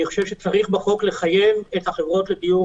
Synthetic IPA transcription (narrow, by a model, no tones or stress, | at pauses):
iχoʃevʃet͡saʁiχbaχo̞kle̞χajemethaχevʁo̞tled̪iju